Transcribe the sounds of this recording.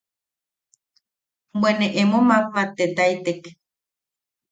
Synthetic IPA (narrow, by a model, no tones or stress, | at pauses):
bwenẽʔemõmãpmãt̪et̪ajt̪ek